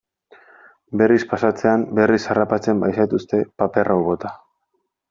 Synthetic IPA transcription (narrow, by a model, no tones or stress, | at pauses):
be̞rispasat͡se̞ambe̞risarapat͡se̞mbajsajt̪ust̪e̞pape̞rʔawβo̞t̪a